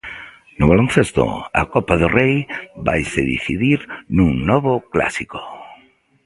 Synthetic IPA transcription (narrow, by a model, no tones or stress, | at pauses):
nʊβalon̟θest̪ʊ̰ɐ̰kɔpaðʊrejba̰jseðḭθiðiɾnũŋnɔβʊkla̰siko̥